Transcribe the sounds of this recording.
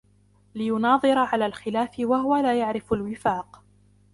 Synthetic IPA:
lɪjʊnɑːðˤɨɾɑʕalaːlxɪlaːfɪwahʊwalaːjaʕɾɪfalwɪfaːq

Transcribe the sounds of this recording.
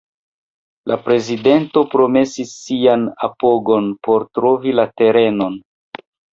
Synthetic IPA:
lʔapɾe̞zide̞nto̞pɾo̞me̞sisːianapo̞ɡo̞npo̞ɾtɾo̞vilate̞ɾe̞no̞n

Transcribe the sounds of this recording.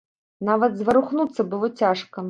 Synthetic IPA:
navɐd̪zvɐɾuxnut̪sːɐbɨlˠɔt͡sʲaʂkɐ

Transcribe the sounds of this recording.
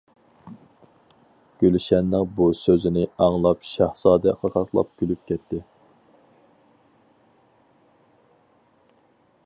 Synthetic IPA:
ɡ̥ʲølyʃɛnːɪŋbusøzɪnɪɑŋlˠɑpʃɑhsɑːd̪ɛqʰɑqʰɑχʰlˠɑ̰p̚kʲylyp̚kʲɛt̪ʰːɪ

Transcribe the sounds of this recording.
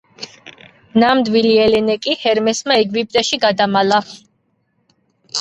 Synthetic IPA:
namd̪wiliɛlɛnɛkʼihɛɾmɛsmaɛɡvip̚ʼt̪ʼɛʃiɡad̪amala

